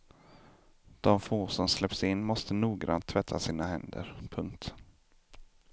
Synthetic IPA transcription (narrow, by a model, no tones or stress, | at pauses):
d̪̥ɔmfoːsɔmslɛpsɪnːmɔst̪ənuːɡɾa̰nt̪ʰːvɛt̪ʰːasiːnahɛnd̪ə̰ɾpʰɵŋkt̪